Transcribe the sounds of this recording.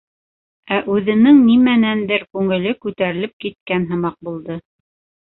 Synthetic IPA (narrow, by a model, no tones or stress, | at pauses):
æʔʉðɘ̆nɘŋnimænænd̪ɘɾkʉŋɘ̆lɘkʉt̪æɾɘ̆lɘp̚kit̪̚kænɦɤ̆mɑq̚bulˠd̪ɤ